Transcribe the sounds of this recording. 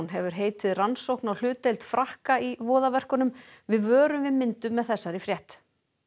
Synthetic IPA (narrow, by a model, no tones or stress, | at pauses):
nɦɛvʏɾ̥ɦeːjt̪ɪðransowhknawl̥ʏːt̪ejlt̪fɾahkaivɔːðavɛr̥kʏnʏmvɪðvœːɾʏmvɪðmɪnt̪ʏmːɛðθɛsːaɾifɾjɛht̪